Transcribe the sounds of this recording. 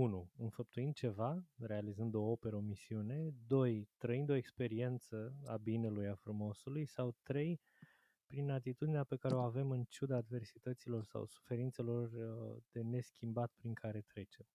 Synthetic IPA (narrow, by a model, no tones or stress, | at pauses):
unuɨnfəp̚t̪uind̪̚t͡ʃe̞vare̞alizɨnd̪o̞o̞pe̞ɾəo̞misiune̞d̪o̞jt̪ɾəind̪o̞ekspe̞ɾie̞nt̪səabine̞lujafɾumo̞sulujsawt̪ɾe̞j | pɾinat̪it̪ud̪ineape̞kaɾe̞o̞ave̞mɨnt͡ʃud̪aːd̪ve̞rsit̪ət̪silo̞rsa̰wsu̥fe̞ɾint̪se̞lo̞rd̪̥e̞ne̞skʲimbat̪pɾiŋkʰaɾe̞t̪ɾe̞t͡ʃe̞m